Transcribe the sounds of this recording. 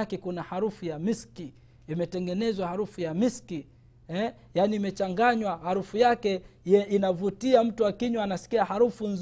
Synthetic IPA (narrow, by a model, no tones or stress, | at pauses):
kɛkunahaɾufujamiski | imɛtɛŋɡɛnɛzwahaɾufujamiski | ɛ | janiːmɛt͡ʃaŋɡaɲwahaɾufujakɛinavutiam̩tuwakiɲwaːnasi̥kiahaɾufunz